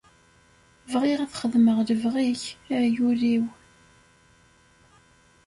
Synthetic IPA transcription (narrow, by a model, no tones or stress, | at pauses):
vʁiʁaθχəðməʁləvʁiçjuɾiw